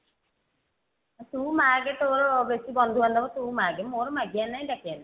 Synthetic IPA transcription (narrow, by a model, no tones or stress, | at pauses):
t̪ũmaːɡet̪oɾbesibɔnd̪ʱuand̪ɔbɔt̪umaːɡɛmoɾmaɡijanajɖakijana